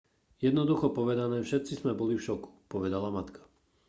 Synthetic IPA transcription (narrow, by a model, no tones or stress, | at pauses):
jɛd̪nɔd̪uxɔpɔʋɛd̪anɛːfʃɛt̪̚t͡sizmɛbɔlifʃɔku̥pɔʋɛd̪alamat̪kḁ